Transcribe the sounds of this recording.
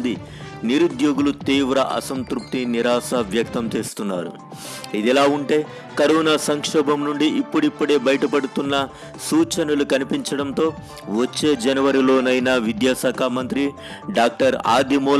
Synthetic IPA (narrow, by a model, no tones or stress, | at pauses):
d̪i | niɾud̪joːɡulut̪iːʋɾɐʔɐ̰sɐnt̪ɾup̚t̪iniɾaːsɐʋjɐk̚t̪ɐmt͡ʃe̞ːst̪unːa̰ːɾṵ | id̪ɛlaːuɳʈe̞ː | kɐɾuːnɐsɐŋkʂɔːbɐmnuɳɖiʔipːuɽipːuɽe̞ːbɐjɐʈɐpɐɽut̪unːɐ | suːt͡ʃɐnulukɐnipiɲt͡ʃɐɽɐnt̪o̞ː | ʋɐt͡ʃːe̞ːd͡ʒɐnɐʋɐɾilo̞ːnɐjnɐʋid̪jaːsaːkʰaːmɐnt̪ɾi | ɖaːk̚ʈɐɾa̰ːd̪ʱimɔː